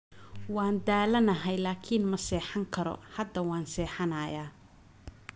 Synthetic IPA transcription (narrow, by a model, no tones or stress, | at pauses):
wɑːnd̪aːlɐnɐɦɛjlaːkʰinmɐsɛːħɑŋkʰɐɾɔ̰hɐd̪ːɐwɑːnsɛːħɑnajaː